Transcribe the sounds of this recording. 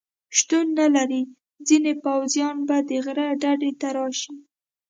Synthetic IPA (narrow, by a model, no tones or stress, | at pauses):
ʃt̪unːalaɾi | d͡zinepawzjɑnbad̪əɣɾaɖaɖet̪aɾɑʃi